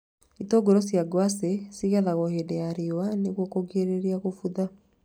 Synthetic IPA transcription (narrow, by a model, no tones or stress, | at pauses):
itɔɡoɾɔsjaɡwasesiɣaðaɣɔhedɛaɾiwaneɣwɔkoɡeɾeɾiaɣofuða